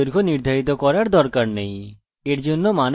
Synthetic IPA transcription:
oɾɡʱoniɾd̪ʱaɾit̪ɔkɔɾaɾd̪ɔɾkaɾnɛɦĩ | eɾd͡ʒonːɔman

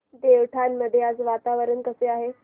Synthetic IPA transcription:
d̪eʋʈʰanməd̪ʱːjead͡zʋat̪aʋəɾənkəseaɦe

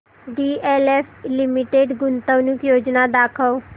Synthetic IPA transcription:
ɖiːʔɛːlɛːpʰlɪmiʈeːɖɡʊnt̪əʋnukjoːd͡ʒnad̪aːkʰəʋ

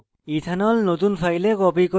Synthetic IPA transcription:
it̪ʰanɔlnot̪unpʰajlekɔpikɔ

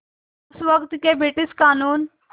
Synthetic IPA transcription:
sʋəkt̪kebiʈiskaːnuːn

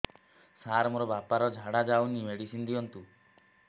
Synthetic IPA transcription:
saɾmoɾɔbapaɾɔd͡ʒʱaɽad͡ʒawnimeɽisind̪iɔnt̪u

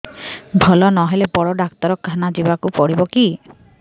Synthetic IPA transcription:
bʱɔlɔnɔɦelepɔɽɔɖakt̪ɔɾɔkːʰanad͡ʒibakupɔɽibɔki

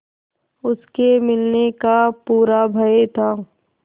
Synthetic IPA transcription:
ʊskemɪlnekapuːɾabʱɐet̪ʰaː

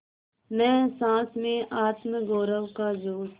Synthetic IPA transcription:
mɛ̃ːsãːsmẽːʔaːt̪mɡoːɾəʋkaːzoːɾ

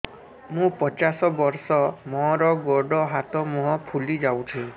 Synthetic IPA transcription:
mũpɔt͡ʃasɔbɔɾsɔmɔ̃ɾɔɡɔɖɔɦat̪ɔmũɦɔ̃pʰulid͡ʒawt̪ʰĩ

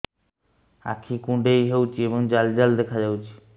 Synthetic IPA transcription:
a̰kʰikũɖejɦewt͡ɕʰieboŋd͡ʑald͡ʑald̪ɛkʰad͡ʑawt͡ɕʰi̥

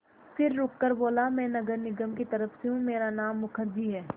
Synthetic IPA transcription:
fɪɾːʊkːəɾboːlamɛ̃ːnɐɡəɾnɪɡəmkit̪ɐɾəfseɦũmeːɾanaːmːʊkʰəɾd͡ʒiɦɛː

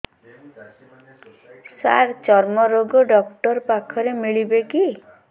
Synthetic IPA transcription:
sa̰ɾt͡ʃɔɾmɔɾoɡɔɖɔkʈɔɾpakʰɔɾemiɭibeki

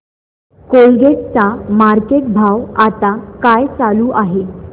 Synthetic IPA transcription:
kolɡett͡samaɾkeʈ̚bʱawat̪akajt͡saluːʔaɦe

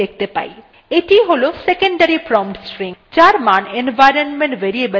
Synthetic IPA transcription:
ek̚ʰt̪epa̰i | et̪iɦolosekəɳɖəɾipɾɔmʈsʈɾĩŋt͡ʃaːɾmaːnenʋajɾənmẽɳʈʋeɾiebə

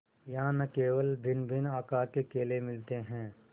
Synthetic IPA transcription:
jɐɦãnɐkeːʋəlbʱɪnbʱɪnaːkakekeːlemɪlt̪eɦɛ̃ː

